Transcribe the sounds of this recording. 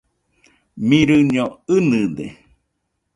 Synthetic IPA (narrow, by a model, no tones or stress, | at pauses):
mĩɾɨɲoɨnɨd̪ḛ